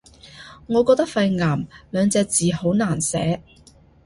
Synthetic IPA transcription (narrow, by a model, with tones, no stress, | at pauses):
ŋɔː˨˧kɔː˧k̚t̪ɐ˥k̚fɐ˧jŋaː˨˩mlœː˨˧ŋt͡sɛː˧k̚t͡siː˨ho˨˥wnaː˨˩nsɛ̰ː˨˥